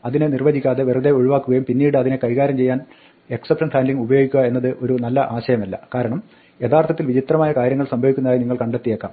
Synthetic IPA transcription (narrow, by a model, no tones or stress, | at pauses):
ɐðinɨnirʋɐdikʲːaːðeʋeruðe̞oɻiʋaːkːuɣɐjumpinːiːɽɨɐðinekɐjɣaːɾjɐmt͡ɕe̞jːaːn | e̞ksɐpʈɐnfaːnɖliŋɡubɐjo̞ːɡikʲːuɣɐe̞nːɐðɨʔo̞ɾunɐlːɐʔaːɕɐjɐmɐlːɐ̰kaːɾɐɳɐm | je̞t̪ʰaːrt̪ʰɐt̪ːilʋit͡ɕit̪rɐmaːjɐkaːɾjɐŋːɐɭsɐmbʱɐʋikʲːunːɐðaːjiniŋːɐɭkɐɳɖet̪ːijeːkːa̰ːm